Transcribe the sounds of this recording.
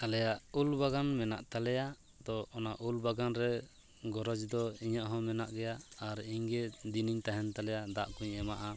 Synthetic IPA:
alɛjaʔulbaɡanmɛna̰ʔt̪alɛja | d̪ɔɔnaʔulbaɡanɾɛ | ɡɔɾɔd͡ʒd̪ɔiɲaʔɦɔ̃mɛnaʔɡɛjaːɾiɲɡɛd̪iniɲt̪aɦɛnt̪alɛjad̪aʔkuɲɛmaʔa

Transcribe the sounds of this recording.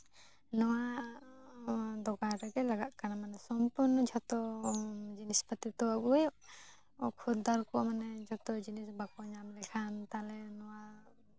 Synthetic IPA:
nɔwa | d̪ɔkaɾɛɡɛlaɡaʔ̪kanamanɛsɔmpuɾnɔd͡ʒʱɔt̪ɔ | d͡ʒinispat̪it̪ɔaɡujʔ | kʰud̪aɾkɔmanɛd͡ʒʱɔt̪ɔd͡ʒinisbakɔɲamlɛkʰant̪alɛnɔwa

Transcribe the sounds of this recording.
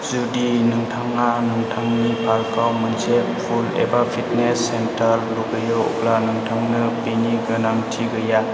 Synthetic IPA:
zudinɯŋtʰaŋanɯŋtʰaŋnipʰaɾkawmanzeppʰulḛbapʰit̚nesːentaɾluɡɯjɯwṵp̚lanɯŋtʰaŋnɯpiniɡɯnamtʰiɡɯja

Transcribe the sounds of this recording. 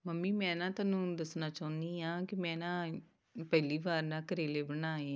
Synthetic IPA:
məmːiːmɛ̃ːnãːt̪aːnũːd̪əsnaːt͡ʃaːʊ̃nd̪iːɦãːkɪmɛ̃ːnãː | pɛːliːʋaːɾnãːkəɾeːleːbəɽ̃aːeː

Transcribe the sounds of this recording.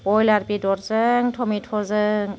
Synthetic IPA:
pɔjlaɾpidɔɾzəŋtʰɔmitʰɔzəŋ

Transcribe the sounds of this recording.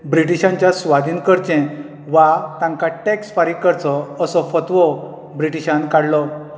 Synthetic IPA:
bɾiʈ̬iɕãɲt͡ɕjasʋad̪ʱiːnkəɾt͡ɕɛ̃ | ʋat̪ãŋkaʈeksfaɾikəɾt͡sɔəsɔfət̪ʋɔ | bɾiʈiɕãnkaɽlɔ

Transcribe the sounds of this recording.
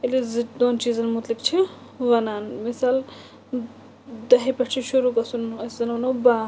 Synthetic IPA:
elizid̪oːnt͡ʃiːzɐnmut̪likt͡ʃʰi | ʋɐnaːnmisal | d̪ɐɦipɐʈt͡ʃʰiʃuɾuɡɐsunɐszɐnawnobã

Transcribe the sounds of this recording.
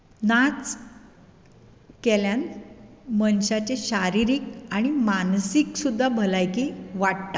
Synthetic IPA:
nat͡s | kɛljan | mənɕat͡ɕeɕaɾiɾiːkaɽ̃imansiksud̪ʱːabʱəlajkiːʋaɽt̪a

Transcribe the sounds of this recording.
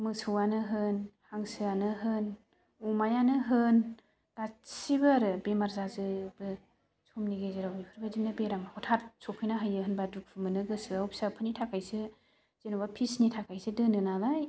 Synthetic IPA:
mɯsʰɯwanɯɦɯnhaŋsɯanɯɦɯn | umajanɯɦɯn | d̥asibaɾɯbemaɾzazɯbɯ | sʰomniɡezɯɾawbipʰɯɾbadimnabeɾamhɔtʰatsʰopʰɯjnaɦajɯɦɯnbaduk̚pʰɯmɯnɯɡɯsɯawpsapʰɯnitʰakʰajsɯ | z̥enubapʰisnitʰakʰajsɯdɯnɯnalaj

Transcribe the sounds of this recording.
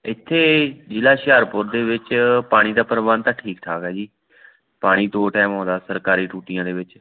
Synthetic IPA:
ɪt̪ʰːeːd͡ʒɪlaːʃaːɾpʊɾd̪eːʋɪt͡ʃpaːɽ̃iːd̪aːpəɾʋaːnt̪ãːʈʰiːkʈʰaːkɛːd͡ʒiː | paːɽ̃iːd̪oːʈɛːmõːd̪aːsəɾkaːɾiːʈuːʈɪjãːd̪eːʋɪt͡ʃ

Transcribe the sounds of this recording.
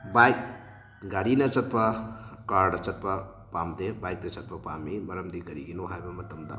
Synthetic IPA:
bajk̚ | ɡaɾinɐt͡sɐt̪̚pɐkaɾɽɐt͡sɐt̪̚pɐ | pamd̪ebajk̚t̪et͡sɐt̪̚pɐpamibɐɾɐmd̪ikɐɾiɡinoɦajbɐmɐt̪ɐmd̪a̰

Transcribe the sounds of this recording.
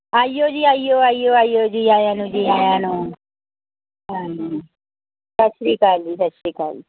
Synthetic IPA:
aːijoːd͡ʒiːaːijoːaːijoːaːijoːd͡ʒiːaːjaːnũːd͡ʒiːaːjaːnũː | aː | sət͡ʃɾiːkaːlisət͡ʃiːka̰ːli

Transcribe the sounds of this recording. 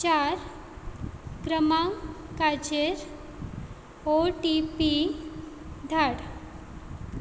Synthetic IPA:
t͡ɕaɾ | kɾəmaŋkat͡ɕeɾ | oʈipi | d̪ʱaɽ

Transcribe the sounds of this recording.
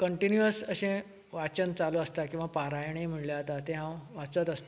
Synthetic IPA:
kəɳʈinjuəsəɕẽ | ʋat͡ɕənt͡saloəst̪akĩw̃ʋapaɾajɳ̃em̤əɳljat̪at̪eɦãʋat͡sət̪əst̪

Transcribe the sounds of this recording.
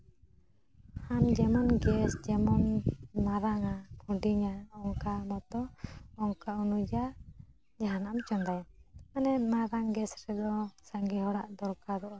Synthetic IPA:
hamd͡ʒɛmɔnɡɛsd͡ʒɛmɔnmaɾaŋapʰɔ̃ɖiɲaɔŋkamɔt̪ɔɔŋkaunud͡ʒa | d͡ʒaɦanamt͡ʃɔnd̪ajanɛt̪̚maɾaŋɡɛsɾɛd̪ɔsaŋɡɛɦɔɽaʔd̪ɔɾkad̪ɔʔa

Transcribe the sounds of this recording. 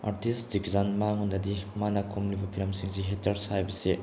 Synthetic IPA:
a̰ɾtistzikzanmaŋɦundɐdimanɐkʰomlibɐpʰiɾɐmsiŋsiɦetɐɾshajbɐse

